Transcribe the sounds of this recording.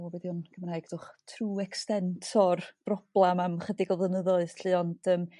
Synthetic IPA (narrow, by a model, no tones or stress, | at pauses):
bɛðjʊnɡʰəmnaɨɡd̥ʊχtʰruːɛkstɛntʰɔrb̥rɔb̥lˠamamχədɪɡɔlˠvənəðɔɨðɬɨːɔnd̥əːm